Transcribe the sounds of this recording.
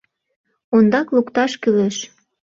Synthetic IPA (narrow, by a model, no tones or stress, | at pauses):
ond̪ɑklukt̪ɑʃkyleʃ